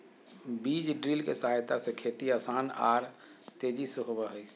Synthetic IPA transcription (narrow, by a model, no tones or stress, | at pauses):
biːd͡ʒɖɾilkesəɦaːjt̪asekʰeːt̪iaːsaːna̰ːɾ | t̪eːd͡ʒisɦobaɦəi